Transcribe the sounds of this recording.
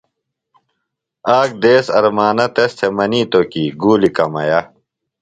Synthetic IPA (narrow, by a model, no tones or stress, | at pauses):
aːk̚d̪eːsɐɾmaːnɐt̪est̪ʰemɐniːt̪okiːɡuːlikɐmɐ̰jɐ